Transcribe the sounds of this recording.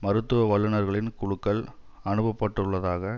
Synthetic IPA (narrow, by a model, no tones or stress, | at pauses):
mɐɾɯt̪ːɯʋɐʋɐɭːɐnɐɾɣɐɭɪnkʊɽʊkːɐɭ | ɐnɯbɐpːɐʈːɯɭːɐðaːɣɐ